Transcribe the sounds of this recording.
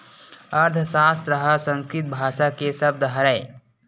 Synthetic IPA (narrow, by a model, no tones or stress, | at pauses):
ɐɾd̪ʱʰsaːst̪ɾɐɦasə̃nskɾɪt̪̚bʱaːʃakesɐb̚d̪əɦəɾəe